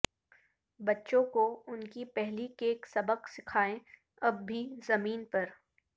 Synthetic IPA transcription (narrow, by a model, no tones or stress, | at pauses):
bɐtːʃõkoʊnkipɛɦlikeːksɐbəqsɪkʰaːẽ | ɐbːʱizɐmiːnpɐɾ